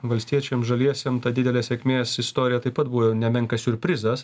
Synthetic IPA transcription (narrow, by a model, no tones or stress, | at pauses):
ʋɐlʲsʲt̪ʲiɛt͡ʃʲɛmʒɐlʲiɛsʲɛmt̪ɐd̪ʲɪd̪ʲɛlʲɛːsʲɛkʲmʲeːsɪst̪oːɾʲɪjɛt̪ɐɪpɐt̪buʋoːnʲɛmʲɛŋkɐsʲʊɾʲpʲɾʲɪzɐs